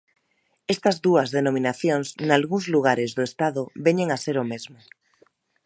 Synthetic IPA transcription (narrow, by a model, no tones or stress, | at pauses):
est̪ɐzðuɐzðenomĩnaθjoŋznalɣuŋzluɣ̞aɾezðoest̪aðʊβeɲeŋaseɾomezmʊ